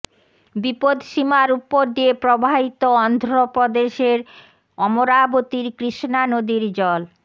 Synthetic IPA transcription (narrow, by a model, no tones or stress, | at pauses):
bipod̪ʃimaɾupːoɾd̪iepɾobʱabit̪oɔnd̪ʱɾopɾod̪eʃeɾ | ɔmoɾabot̪iɾkɾiʃnanod̪iɾd͡ʑɔl